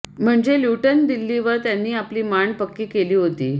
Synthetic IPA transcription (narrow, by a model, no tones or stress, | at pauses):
m̤əɳd͡zeljuʈənd̪ilːiʋəɾt̪janːiːapliːmaɳpəkːiːkeliːɦot̪iː